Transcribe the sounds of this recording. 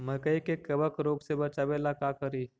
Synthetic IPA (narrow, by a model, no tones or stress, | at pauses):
məkəikekəbəkɾoːɡsebət͡ʃabeːlakakəɾiː